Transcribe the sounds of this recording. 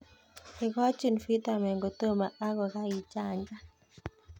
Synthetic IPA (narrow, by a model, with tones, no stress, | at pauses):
e˨ka˦t͡ʃu˦˨nfi˦ta˨mɛ˨ŋɡo˨t̪o˦ma˨a˦ɣɔ˨ka˦i˨t͡ʃa˨ɲd͡ʒa˦